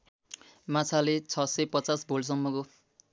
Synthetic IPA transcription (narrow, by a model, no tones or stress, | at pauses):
mat͡sʰalet͡sʰʌsepʌt͡sasbʱols̬ʌmːʌko